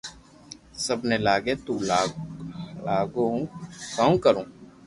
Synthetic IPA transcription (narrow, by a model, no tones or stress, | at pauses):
səbnelaːɡet̪ũːla | laːɡõkãːkəɾũː